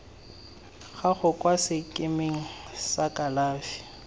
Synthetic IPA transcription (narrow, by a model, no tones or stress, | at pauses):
ɣaɣʊkʼwasɪkʼɪmeŋ̩sakʼalaːfi̥